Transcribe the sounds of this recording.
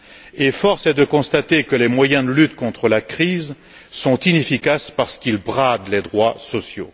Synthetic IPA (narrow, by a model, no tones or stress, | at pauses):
efɔʁsɛd̪əkɔ̃st̪at̪ekəlemwajɛ̃d̪əlyt̪kɔ̃t̪χəlakχiz | sɔ̃t̪inefikaspaʁsə̥kilbʁad̪led̪ʁwasɔsjo̰